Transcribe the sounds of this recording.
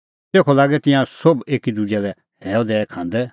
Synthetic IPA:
t̪eːkʰolaːɡɛt̪ɪ̃jãsobeːkid̪ud͡ʒɛlɛ | ɦɛːɔd̪ɛːɛkʰãːn̆d̪ɛ

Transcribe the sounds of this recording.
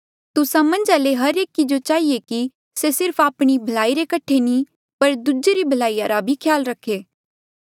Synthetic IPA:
t̪ʊsãmɐ̃nd͡ʒaleɦɐɾeːkid͡ʒot͡ʃaːɦieki | sesɪɾpʰaːpɽ̃ibʱɐlaːiɾekɐʈʰenĩ | pɐɾd̪ʊd͡ʒeɾibʱɐlaːijaɾabʱikʰjaːlɾɐkʰːeː

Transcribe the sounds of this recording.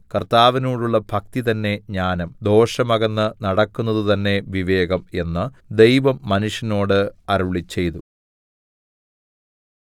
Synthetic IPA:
kɐrt̪aːʋinoːɽuɭːɐbʱɐk̚t̪it̪ɐnːe̞ɲaːnɐmd̪o̞ːʂɐmɐɣɐnːɨnɐɽɐkːunːɐðut̪ɐnːe̞ʋiʋe̞ːɡɐme̞nːɨ | d̪e̞jʋɐmːɐnuʂjɐno̞ːɽɨɐɾuɭit͡ɕːe̞jt̪u

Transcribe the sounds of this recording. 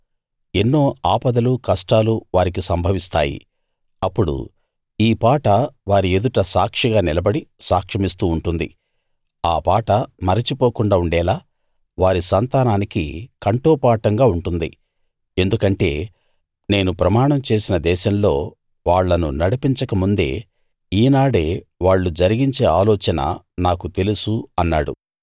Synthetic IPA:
e̞nːo̞ːaːpɐd̪ɐlukɐsʈaːluʋaːɾik̬isɐmbʱɐʋist̪a̰ːjḭ | ɐpːuɽṵ | iːpaːʈɐʋaːɾie̞d̪uʈɐsaːkʂiɡaːnilɐbɐɽisaːkʂɐmist̪uːɳʈund̪ḭ | aːpaːʈɐmɐɾɐt͡ʃipo̞ːkuɳɖaːuɳɖɛːlaː | ʋaːɾisɐnt̪aːnaːnikḭkɐɳʈoːpaːʈɐŋɡaːuɳʈund̪ḭ | e̞nd̪ukɐɳʈe̞̰ː | ne̞ːnupɾɐmaːɳɐmt͡ʃe̞ːsinɐd̪ɛːʃɐmlo̞ː | ʋaːɭːɐnṵnɐɽipiɲt͡ʃɐkɐmund̪e̞̰ː | iːnaːɽe̞ːʋaːɭːud͡ʒɐɾiɡiɲt͡ʃe̞ːaːlɔːt͡ʃɐnɐ̰ | naːkut̪e̞lusuɐnːaːɽṵ

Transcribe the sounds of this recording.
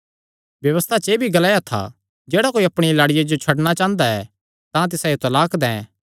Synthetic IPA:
ʋjɐʋəst̪ʰat͡ʃeːbʱiɡɐlaːjat̪ʰa̰ | d͡ʒɛːɽakoːiɐpɽ̃ilaːɽɪjad͡ʒot͡ʃʰɐɽɽ̃at͡ʃãːnd̪aɛ̰ | t̪ãt̪̬ɪsajot̪ɐlaːkd̪ɛ̃

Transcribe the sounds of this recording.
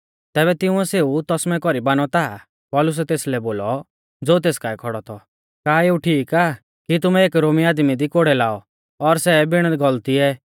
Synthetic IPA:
t̪ɛːbɛt̪ɪʊ̃ɛseːut̪ɔsmɛ̃kɔɾibaːnɔt̪aː | pɔːlʊs̬ɛt̪eːslɛboːlɔ | d͡zoːt̪̬eːskaːɛkʰɔɽɔt̪ʰɔ | kaːeːuʈʰiːkaː | kit̪̬ʊmɛeːkɾoːmiaːd̪mid̪ikoɽɛlaːɔ | ɔɾsɛbɪɽ̃əɡɔlt̪iɛː

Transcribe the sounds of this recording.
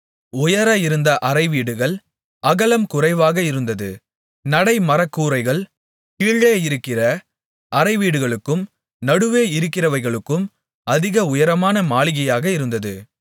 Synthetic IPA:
ʊjɐɾɐɪɾɯnd̪ɐʔɐrɐɪʋiːɽɯɣɐɭ | ɐɣɐlɐmkʊrɐɪʋaːɣɐɪɾɯnd̪ɐðɯ | nɐɽɐɪmɐɾɐkːuːɾɐɪɣɐɭ | kiːɭːeːɪɾɯkːɪrɐ | ɐɾɐɪʋiːɽɯɣɐɭɯkːɯm | nɐɽɯʋeːɪɾɯkːɪrɐʋɐɪɣɐɭɯkːɯm | ɐðɪɣɐʊjɐɾɐmaːnɐmaːɭɪɣɐjaːɣɐɪɾɯnd̪ɐðɯ

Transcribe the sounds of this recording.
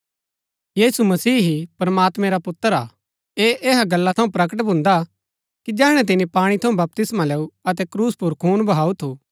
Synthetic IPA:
jiːsumɐsiːɦipɾmaːt̪mɛ̃ɾapʊt̪ːəɾa̰ː | eʔeːɦaɡɐlːat̪ʰɐũpɾɐk̬əʈ̬bʱʊ̃nd̪a | kid͡ʒɛːɽ̃ɛ̃t̪̬ɪnipaːɽ̃it̪ʰɐũbɐp̚t̪ɪsmaleːuɐt̪̬ɛkɾuːspʊɾkʰuːnbɐɦaːut̪ʰuː

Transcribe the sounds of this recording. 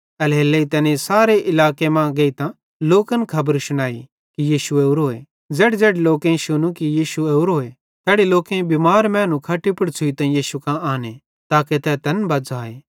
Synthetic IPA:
ɐlɦeːlːeit̪ɛːnẽsaːɾeʔɪlaːkemãɡeit̪ã | loːkənkʰɐbəɾʃʊɽ̃aːi | kijiːʃueuɾoːe | d͡zɛːɽd͡zɛːɽeloːkẽʃʊnũkijiːʃueuɾoːe | t̪ɛːɽeloːkẽbimaːɾmɛ̃ːnũkʰaʈipʊɽt͡ʃʰʊit̪ɐ̃jiːʃukãaːne | t̪aːket̪ɛt̪ɐnbɐd͡zaːeː

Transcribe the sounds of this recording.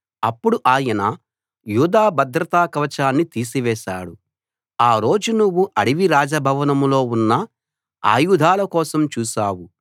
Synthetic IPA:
ɐpːuɽuʔaːjɐnɐ | juːd̪aːbɐd̪ɾɐt̪aːkɐʋɐt͡ʃaːnːit̪iːsiʋɛːʃa̰ːɽu | aːɾo̞ːd͡ʒunuʋːuʔɐɽiʋiɾaːd͡ʒɐbʱɐʋɐnɐmlo̞ːunːɐ | a̰ːjud̪ʱaːlɐkɔːsɐmt͡ʃuːʃaːwu

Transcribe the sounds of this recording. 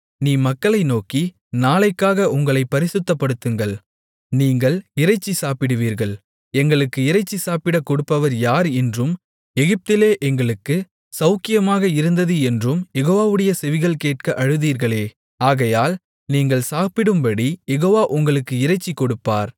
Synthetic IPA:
niːmɐkːɐɭɐɪnoːki | naːlɐɪkːaːɣɐʔʊŋɡɐɭɐɪpːɐɾɪsɯt̪ːɐpːɐɽɯt̪ːɯŋɡɐɭ | niːŋɡɐɭɪɾɐɪt͡ʃːisaːpɪɽɯʋiːɾɣɐɭ | ɛŋɡɐɭɯkːɯɪɾɐɪt͡ʃːisaːpɪɽɐkɔɽɯpːɐʋɐɾjaːɾɛndrɯm | ɛɣɪp̚t̪ɪleːʔɛŋɡɐɭɯkːɯ | sɐʊkɪjɐmaːɣɐɪɾɯnd̪ɐðɯɛndrɯmjɛɣoːʋaːʋɯɽɐjɐsɛʋɪɣɐɭkeːʈ̚kɐʔɐɻɯðiːɾɣɐɭeː | aːɣɐjaːl | niːŋɡɐɭsaːpɪɽɯmbɐɽijɛɣoːʋaːʔʊŋɡɐɭɯkːɯɪɾɐɪt͡ʃːikːɔɽɯpːa̰ːɾ

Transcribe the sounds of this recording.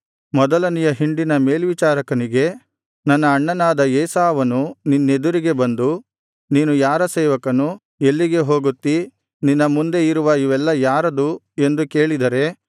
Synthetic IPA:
mɔd̪ɐlɐnijɐɦiɳɖinɐme̞ːlʋit͡ʃaːɾɐkɐniɡe̞ | nɐnːɐːɳːɐnaːd̪ɐeːsaːʋɐnuninːe̞d̪uɾiɡe̞bɐnd̪u | niːnujaːɾɐsɛːʋɐkɐnu | e̞lːiɡe̞ɦo̞ːɡut̪ːi | ninːɐmund̪e̞iɾuʋɐjiʋɛlːɐjaːɾɐd̪u | e̞nd̪uke̞ːɭid̪ɐɾe̞

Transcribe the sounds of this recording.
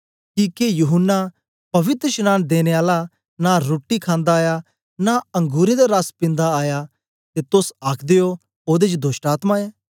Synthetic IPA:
kikejuɦʊnːa | pɐʋɪt̪ɾəʃnãːnd̪eːneaːla | naɾoːʈːikʰãːnd̪aːja | naɐ̃ŋɡuːɾed̪aɾaspɪ̃nd̪aaːja | t̪et̪ʊsaːkʰd̪ejo | oːd̪ed͡ʒd̪oːʃʈaːt̪maeː

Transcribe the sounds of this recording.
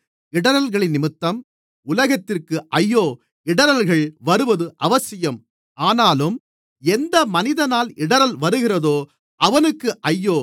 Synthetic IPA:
ɪɽɐɾɐlɣɐɭɪnːɪmɯt̪ːɐm | ʊlɐɣɐt̪ːɪrkɯʔɐjːoː | ɪɽɐɾɐlɣɐɭʋɐɾɯʋɐðɯʔɐʋɐsɪjɐm | aːnaːlɯm | ɛnd̪ɐmɐnɪðɐnaːlɪɽɐɾɐlʋɐɾɯɣɪrɐðoː | ʔɐʋɐnɯkːɯʔɐjːoː

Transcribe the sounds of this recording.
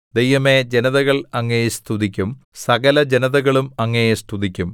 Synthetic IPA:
d̪ejʋɐme̞d͡ʑe̞nɐðɐɣɐɭɐŋːɐjst̪ʰuðikʲːumsɐɣɐlɐd͡ʑe̞nɐðɐɣɐɭumɐŋːɐjest̪uðikʲːum

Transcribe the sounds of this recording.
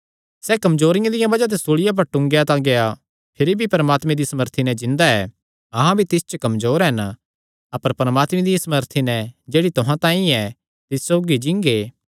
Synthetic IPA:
sɛkɐmzoːɾɪjãd̪ɪjãbɐd͡ʒat̪̬esoːɭɪjap̬ɐɾʈʊ̃ŋɡjat̪ãɡeja | pʰɪɾibʱipɐɾəmaːt̪mẽd̪isɐməɾt̪ʰinɛ̃d͡ʒɪ̃nd̪aɛ | ɐɦãbʱit̪ɪst͡ʃəkɐmzoːɾɦɛn | ɐpəɾpɐɾɐmaːt̪mẽd̪ɪjãsɐməɾt̪ʰinɛ̃d͡ʒeːɽit̪ʊɦãt̪ãːĩɛ | t̪ɪssoːɡid͡ʒɪ̃ŋɡeː

